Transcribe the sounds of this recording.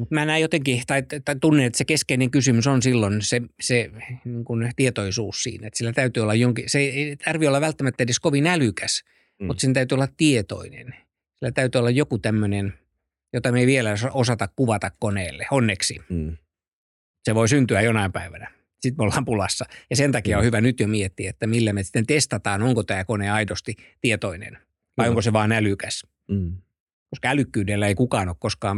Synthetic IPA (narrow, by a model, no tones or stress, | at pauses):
mut̪mænæːjot̪eŋkit̪ɑitt̪ːɑt̪unːeet̪sekeskeineŋkysymysonsilːonseseniːŋkunt̪iet̪oisuːssḭːnæet̪silːæt̪æyt̪yolːɑjoŋkiseieit̪ɑrʋiolːɑʋʋælt̪ːæmæt̪ːæedeskoʋinælykæs | mut̪sent̪æyt̪yolːɑttiet̪o̰inḛn | silːæt̪æyt̪yːolːɑjjokut̪æmːønen | jot̪ɑmeʋielæsɑosɑt̪ɑkkuʋɑt̪ɑkkoneːlːeonːeksi | seʋoisynt̪yæjonɑimpæiʋænæ | sit̪meolːɑːmpulɑsːɑjɑsent̪ɑkiɑohyʋænyt̪jomiet̪ːiæet̪ːæmilːæmesi̥t̪ːˑent̪est̪ɑt̪ɑːnoŋkot̪æːkoneɑidost̪it̪iet̪oinḛn | ʋɑioŋkoseʋɑːnælykæs | koskɑælykːyːdelːæeikukɑːnoːkkoskɑː